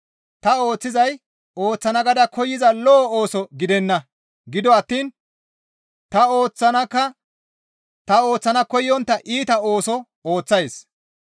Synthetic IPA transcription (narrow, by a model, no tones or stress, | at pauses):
t̪ɐo̞ːt͡sːɪzɐj | oːt͡sːɐnɐɡɐd̪ɐkʰɔjːɪzɐlɔo̞ːsɔɡɪd̪ɛnːɐ | ɡɪd̪ɔɐt̪ːiːn | t̪ɐo̞ːt͡sːɐnɐkːɐ | t̪ɐo̞ːt͡sːɐnɐkɔjːɔnt̪ːɐʔiːt̪ɐo̞ːsɔ | oːt͡sːɐjs